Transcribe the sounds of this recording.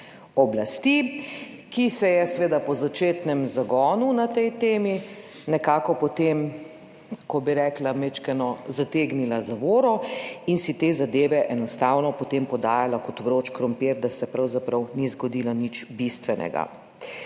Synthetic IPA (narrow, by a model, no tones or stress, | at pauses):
ɔblast̪i | kisɛjɛsʋeːd̪apɔzat͡ʃeːt̪nɛmzaɡɔːnunat̪ɛjt̪eːmi | nɛkaːkɔpɔt̪em | kɔbiɾɛːklamet͡ʃkɛnɔzat̪eːɡnilazaʋoːɾɔinsit̪eːzad̪eːʋɛʔɛnɔst̪aːwnɔpɔt̪empɔd̪aːjalakɔt̪ʋɾoːt͡ʃkɾɔmpeɾd̪asɛpɾawzapɾawnizɡɔd̪iːlanit͡ʃbist̪ʋɛnɛ̰ɡa̰